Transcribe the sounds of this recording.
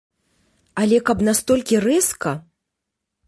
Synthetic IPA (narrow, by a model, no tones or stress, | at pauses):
alʲɛkɐpnast̪ɔlʲkʲirɛskɐ